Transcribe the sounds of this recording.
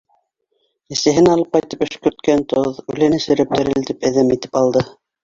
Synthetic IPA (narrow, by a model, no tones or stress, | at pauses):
ɘ̆sɘ̆ɦɘnɑlˠɤp̚qɑjt̪ɤ̥pɵ̆ʃkɵ̆ɾt̪kænt̪oðʉ̰lɘnɘ̆sɘ̆ɾɘp̚t̪ɘ̆ɾɘ̆lt̪ipæðæmit̪ɘ̥pɑlˠd̪ɤ